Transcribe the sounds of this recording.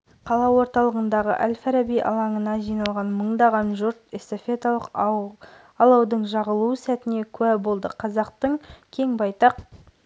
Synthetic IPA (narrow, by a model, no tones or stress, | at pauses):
qʰɑlˠɑwo̞ɾt̪ɑlˠəʁənd̪ɑʁə̰ʔælʲfaɾabijʔɑ̰lˠɑɴənɑʒijnɑlˠʁɑnməɴd̪ɑʁɑnʒʊɾt̪e̞st̪ofe̞t̪alˠəq | ɑlˠɑwd̪əɴʒɑʁəlˠusæt̪ɪne̞kʲʰʉæbo̞lˠd̪əqʰɑzɑqt̪əɴkʲʰe̞ŋbɑjt̪ɑq